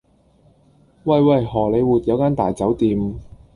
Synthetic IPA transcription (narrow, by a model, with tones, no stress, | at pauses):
wɐ˥˨jwɐ˨˩jhɔː˨˩le˨˧jwuː˨t̚jɐ˨˧wkaː˥nt̪aː˨jt͡sɐ˨˥wt̪iː˨˧m